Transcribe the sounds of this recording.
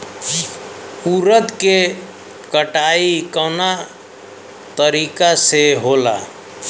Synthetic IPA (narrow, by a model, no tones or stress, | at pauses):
puɾət̪ke | kəʈaikəna | t̪əɾikaseɦola̰